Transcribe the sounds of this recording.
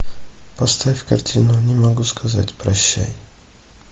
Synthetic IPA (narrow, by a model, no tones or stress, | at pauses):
pɔst̪ajfkaɾt͡ɕʰinuɲɛmɔɡuskʰaza̰t͡ɕpɾɔɕt͡ɕḛj